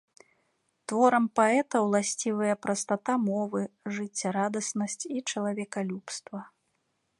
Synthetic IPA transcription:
t̪vɔɾɐmpaɛt̪ɐwlˠasʲt͡sʲivɐjɐpɾɐst̪at̪amɔvɨʐɨt͡sʲːɐɾad̪ɐsnɐsʲt͡sʲit͡ʂɐlˠavʲɛkalʲupst̪vɐ

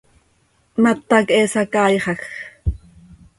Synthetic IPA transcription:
mat̪ːɑkʔesɑkɑːjχɑx

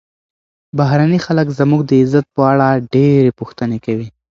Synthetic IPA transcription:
baɦɾanixaləkzamuɡ̚d̪əɪzat̪̚pəaɽaɖeɾepuxt̪ənekawi

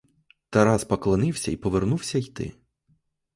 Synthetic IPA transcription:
t̪ɐɾaspɐklˠɐnɪwsʲɐipɔʋernuwsʲɐjt̪ɪ̰

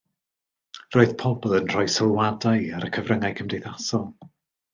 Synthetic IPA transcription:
rɔɨðpʰɔblˠənr̥ɔɨsəlˠwadajaɾəkʰəvrəŋajkʰəmdejθasɔlˠ

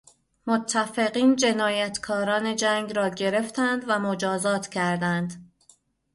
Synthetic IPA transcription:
mot̪ʰːæfeɣiːnd͡ʒe̞nɒːjæt̪kʰɒːɾɒːne̞d͡ʒæŋɡɾɒːɟe̞ɾe̞ft̪ʰænd̪væmod͡ʒɒːzɒːt̪ʰcʰæɾd̪ænd̪

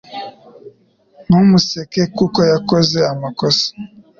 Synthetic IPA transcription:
numusekekukɔjakɔzeamakɔsɔ̥

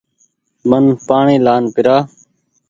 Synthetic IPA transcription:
mənpaːɳĩːlaːnpɪɾaː

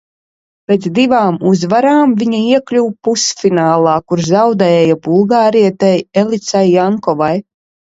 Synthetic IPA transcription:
pet̪zd̪ivaːmuzvaɾaːmviɲaiɛklʲuwpusfinaːlˠɑːkuɾzawd̪ɛɛːjabulˠɡaːɾiɛt̪ajelˠit̪sajːaŋkɔvaj

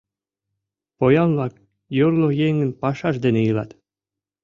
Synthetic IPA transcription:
pojɑnlˠɑk | joɾlˠojeŋɡɘ̆npɑʃɑʃd̪enejɯlˠɑ̰t̪

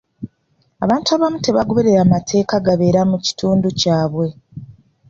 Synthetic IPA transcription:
aβaːntuaβamute̞βaɡo̞βe̞ɾe̞ɾamatʰe̞ːkaɡaβe̞ːɾamuci̥tuːnducaːβwe̞

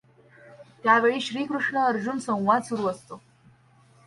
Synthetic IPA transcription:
t̪jaʋeɭiːɕɾiːkɾuʂɳəəɾd͡ʑuːnsə̃w̃ʋad̪suɾuːəst̪o

